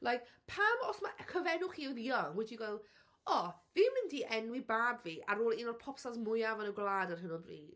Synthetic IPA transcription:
lajkpʰamɔsmaʔkʰəvɛnʊχiðiɔŋwɛdiɡwalˠ | ɔviːmɪndiʔɛnwibaːbviːʔaɾoːlˠinɔrpʰɔpsazmʊjavanəɡlˠaːdarɦɪnɔlbrḭːd

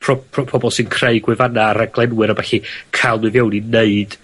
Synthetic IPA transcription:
pʰrɔpʰrɔpʰɔbɔlˠsɨnkʰreɨɡwɪvanaːɾaɡ̥lˠɛnwɨɾəbaɬikʰalˠnɨvjownineɨd̥

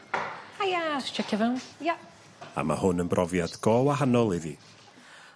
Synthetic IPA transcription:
hajast͡ʃʰɛkʰɛvanja | a̰ma̰hʊnənbrʔɔvjad̥ɡ̥ɔːwaɦanɔlˠiðiː

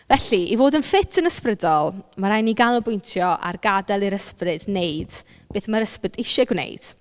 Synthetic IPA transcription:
vɛɬiʔivoːdənfɪtʰənəsprədɔlˠmaɾajniɡanɔbʊjntʰjɔʔa̰rɡadɛlˠiɾəsprɨdneɨd̥ | b̥eːθmaɾəsprɪdɪʃɛɡwnḛjd̥

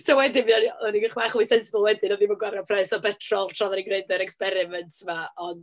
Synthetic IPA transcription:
sowɛdɪnvianiðaniɡəχmaχwisɛnsɪbəlˠwɛdɪnɔðivɔɡwaɾapʰrɛsɔbɛtʰrɔlˠtʰrɔðaniɡrejdəɾɛkspɛɾɪmɛntʰsmaɔn

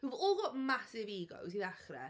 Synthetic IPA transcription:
huvɔlˠɡɔʔmasɪviːɡɔ̰wsiðaχrɛ̰

